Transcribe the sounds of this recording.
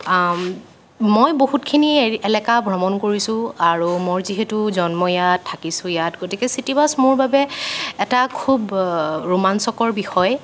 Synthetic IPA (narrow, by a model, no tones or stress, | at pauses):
mojboɦutkʰiniɛlɛkabʱɹɔmɔnkoɹisʊ̃aɹumoɹziɦɛtuzɔnmɔjatʰːakisʊ̃jatɡotikɛsitibasmʊɹbabɛɛtakʰubɹumansɔkɔɹbixɔj